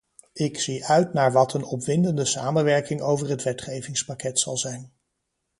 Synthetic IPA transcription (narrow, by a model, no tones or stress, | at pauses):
ɪksiʔœɥtnaːɹʋɑtʰənɔpʋɪndəndəsa̰ːmənʋɛɹkɪŋowvəɹɦətʋɛtχejvɪŋspakɛtsɑlˠzɛjn